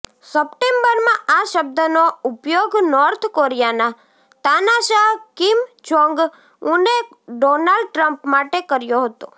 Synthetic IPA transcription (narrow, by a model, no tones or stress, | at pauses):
səpʈembəɾmãʔaʃəb̚d̪ənoupjoɡnɔɾt̪ʰkoɾjana | t̪anaʃaɦkimd͡ʒɔ̃ŋɡ | ũne | ɖonalɖ̚ʈɾəmpmaʈekəɾjoɦət̪o̰